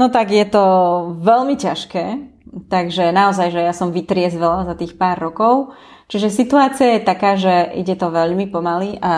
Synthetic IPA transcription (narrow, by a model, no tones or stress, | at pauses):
nɔt̪aɡjɛt̪ɔʋɛʎmicaʃkɛːt̪aɡʒɛnaɔzajʒɛjasɔmʋit̪ɾɪɛzʋɛlazat̪iːxpaːɾːɔkɔʊ | t͡ʃiʒɛsit̪uaːt͡siajɛt̪akaːʒɛḭɟɛt̪ɔʋɛʎmipɔmaliʔa